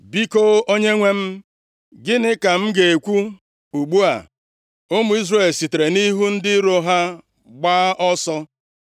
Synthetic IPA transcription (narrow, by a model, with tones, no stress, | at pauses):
bi˦ko˦o˦ɲe˦ŋʷe˦m̩˦ | ɡɪ˦nɪ˦ka˨m̩˦ɡe˨e˨kʷu˦ | u˨ɡ͡bu˦a̰˨ | ʊ˦mʊ˦i˦zre˦˨lsi˨te˨ɾe˨ni˦ɦu˦n̩˦dɪ˦ɾo˦ɦa˦ | ɡ͡ba˦ʔɔ˦sɔ˦